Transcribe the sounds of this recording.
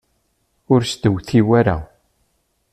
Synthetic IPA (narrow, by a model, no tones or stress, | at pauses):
ʊɾst̪əwθiwæɾa̰